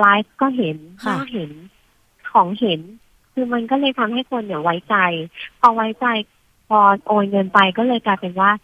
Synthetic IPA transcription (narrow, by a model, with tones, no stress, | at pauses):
laː˦˥jf̚kɔː˥˩ɦe˩˦nkɔː˥˩˥ɦe˩˦n | kʰɔː˩˦ŋhe˩˦n | kʰɯː˧ma˧nkɔː˥˩lɤː˧jt̪ʰa˧mɦa˥˩jkʰo˧nːi˧˨˩wa˦˥jt͡ɕa˧jpʰɔː˧wa˦˥jt͡ɕa˧j | pʰɔː˧ʔoː˧nŋɤ˧npa˧jkɔː˥˩lɤː˧jklaː˧jpe˧nwaː˥˩